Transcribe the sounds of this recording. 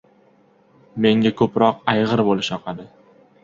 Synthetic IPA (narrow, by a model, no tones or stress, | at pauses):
me̞ŋʲakʰɵpɾɒqajʁɨɾbolɪʃɒqɑd̪ɪ